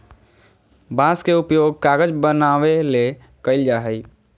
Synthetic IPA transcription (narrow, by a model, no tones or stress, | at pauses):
bãːskeʊpjoːɡ̚kaːɡəd͡ʒbənaːʋele | kəɪld͡ʒaːɦəi